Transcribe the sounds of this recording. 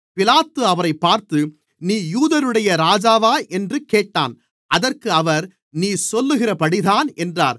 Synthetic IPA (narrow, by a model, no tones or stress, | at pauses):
pɪlaːt̪ːɯɐʋɐɾɐɪpːaːɾt̪ɯ | niːjuːðɐɾɯɽɐjɐɾaːd͡ʒaːʋaːʔɛndrɯkeːʈːa̰ːn | ʔɐðɐrkɯɐʋɐɾ | niːsɔlːɯɣɪrɐpɐɽiðaːnɛndra̰ːɾ